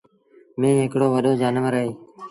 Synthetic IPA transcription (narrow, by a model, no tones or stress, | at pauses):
mẽːɦɪkɽoːʋəɗoːd͡ʒaːnəʋəɾəɦeː